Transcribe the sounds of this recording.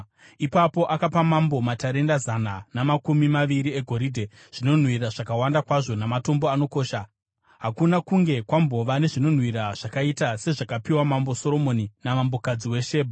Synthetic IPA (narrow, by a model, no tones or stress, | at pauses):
ipapo̞ʔakapamambo̞mataɾe̞ndazananamakumimaʋiɾie̞ɡʱo̞ɾiːdʱe | ʐ̥ino̞n̤wiraʐakawandakwaʐo̞namato̞mbo̞ano̞ko̞ːʃa | ɦakunakuŋɡe̞kwambo̞ʋane̞ʐino̞n̤ɦwiraʐ̥akaitase̞ʐakapiwamambo̞so̞ɾo̞mo̞ninamambo̞kad͡ziwe̞ʃe̞ːbʱa